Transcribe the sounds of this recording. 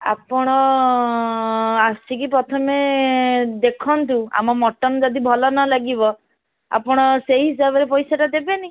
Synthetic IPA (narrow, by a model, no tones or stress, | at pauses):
a̰pɔɽ̃ɔ | asikipɾɔt̪ʰɔme | d̪ekʰɔnt̪ua̰mɔmɔʈɔnd͡ʒɔd̪ibʱɔlɔnɔlaɡibɔ | a̰pɔɽ̃ɔseɦiɦis̬abɔɾepɔjsaʈad̪ebeni